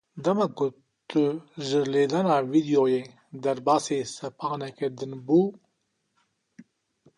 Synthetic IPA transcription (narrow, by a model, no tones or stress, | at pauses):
d̪ɐmaku | t̪əʒəɾled̪anavid̪ijoje | d̪ɐɾbaːsesɐpaːneked̪ənbu